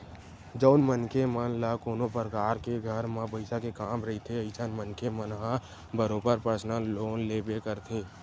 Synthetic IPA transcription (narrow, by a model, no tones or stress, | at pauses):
d͡ʒəːnmənkemənlakoːnopəɾəkaːɾkeɡʱəɾmãbəɪsakekaːmɾəɦit̪ʰeəɪsʰənmənkemənɦã | bəɾoːbəɾpəsnaloːnlebekəɾt̪ʰeː